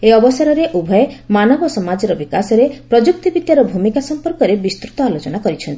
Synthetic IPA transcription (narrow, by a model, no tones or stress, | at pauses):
eɔbɔsaɾɔɾeʔubʱɔemanɔbɔsɔmad͡ʒɔɾɔbikasɔɾepɾɔd͡ʒuk̚t̪ibid̪jaɾɔbʱumikasɔmpɔɾkɔɾebist̪ɾut̪ɔalot͡ʃɔnakɔɾit͡ʃʰɔnt̪i